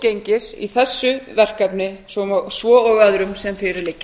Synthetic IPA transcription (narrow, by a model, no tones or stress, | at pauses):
cejɲcɪsḭθɛsːʏvɛr̥kapnɪsɔsvɔːɔɣvaðɾʏmsɛmfɪɾɪɾlɪcːɪ